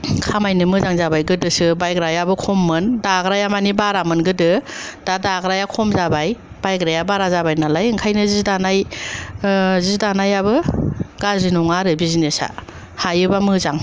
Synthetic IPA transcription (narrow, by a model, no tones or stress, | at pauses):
kʰamajnɯmɯzaŋzabajɡɯdɯsɯbajɡɾajabɯkʰomːɯndaɡɾajamanibaɾamɯnɡɯdɯd̥adaɡɾajakʰomzabaj | b̥ajɡɾajabaɾazabajnalajɯŋkʰajnɯzizdanaj | zɯzdanajabɯɡazɾinuŋaɾɯbizinesa̰ | hajɯbamɯzaŋ